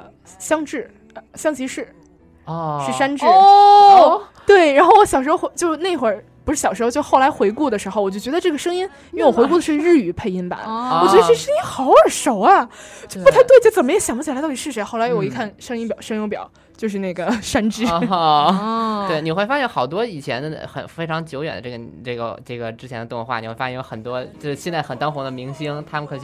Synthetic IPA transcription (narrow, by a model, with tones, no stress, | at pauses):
ɕjɑ˥ŋʈ͡ʂɻ̩˥˩ | ɕjɑ˥ŋt͡ɕʰi˧˥ʂɻ̩˥˩˧ | ʂɻ̩˥˩ʂa˥nʈ͡ʂɻ̩˥ | t̪we˥˩ɪɻa˧˥nxo˥˩ʊwɔ˧˩ɕjɑ˨˩ʊʂɻ̩˧˥xo˧xt͡ɕjo˥˧ʊʂ̩˥˧na˥˩ɪ˧˥xwə˨˩ | pu˧˥ʂɻ̩˥˩jɑ˨˩ʊʂɻ̩˧˥o˥˧t͡ɕo˥˩ʊxo˥˩la˧˥ɪxwe˧˥ɪku˥˩d̪ə˩ʂɻ̩˧˥xo˧ɔ˨t͡ɕjo˥˩ʊt͡ɕɥɛ˧˥d̪ə˧ʈ͡ʂɤ˥˩ɡə˩ʂɤ˥ŋi˥n | i˥e˧˩wɔ˨xwe˧˥ku˥˩ə˩ʂɻɻ̩˥˩y˨˩pʰe˥˩ɪi˥nba̰˨˩˦wɔ˨˩t͡ɕɛ˧˥ə˧ʈ͡ʂʂə˥ŋi˥nxɑ˧˥ʊə˞˨˩ʂo˨˩ʊɐ˧˥pu˥t̪ʰa˧˥ɪt̪we˥˩ɪ˧t͡ɕt͡sə˨˩mə˦jɕjɑ˨˩ŋbu˥t͡ɕʰi˨˩˧t̪ti˨˩ʂɻ̩˥˩ʂe˧˥ɪxo˥˩ʊla˧˥ɪji˧˥˩kʰa˥˩nʂɤ˥ŋi˥npjɑ˨˩ʊʂŋjʊ˥ŋpjɑ̰˨˩˦ʊ | t͡ɕjo˥˧ʊʂ̬ɻ̩˥˧na˥˩ɡə˩ʂa˥nʈ͡ʂɻ̩˥ | t̪we˥˩ɪni˨˩xwe˥˩ɪfa˥ɕjɛ˥˩nxɑ˨˩ʊt̪̬wɔ˥i˨˩t͡ɕʰjɛ˧˥nd̪ə˧xə̰˨˩nfe˥ɪʈ͡ʂʰɑ˧˥ŋt͡ɕjo˧˥ʊɥɛ̰˨˩nd̪ə˦ʈ͡ʂɡə˩ʈ͡ʂɤ˥˩ɡə̰˩ʈ͡ʂɤ˥˩ɡə˩ʈ͡ʂɻ̩˥t͡ɕʰɛ˧˥nd̪ə˧t̪ŋ˧˥xwa̰˥˩ni˨˩xwa˥jɛ˥˧jo˧˥xə˨˩nt̪wɔ˥t͡ɕjo˥˧ʊʂɻ̩˥ɕjɛ˥˧nt͡sa˥˩ɪxə˨˩nt̪ɑ˥nxʊ˧˥d̪ə˧mi˧˥ŋɕi˥ŋt̪ʰa˥mə˨nkʰɤ˨˩˧